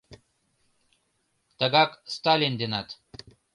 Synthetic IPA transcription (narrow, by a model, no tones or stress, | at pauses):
t̪əɡɑkst̪alʲind̪ʲenat̪